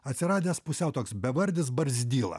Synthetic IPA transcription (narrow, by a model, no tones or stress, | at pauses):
ɐt̪ʲsʲɪɾɑːd̪ʲeːspʊsʲɛʊt̪oːksbʲɛʋɐɾʲd̪ʲɪs̬bɐɾʲzʲd̪ʲiːlˠɐ̰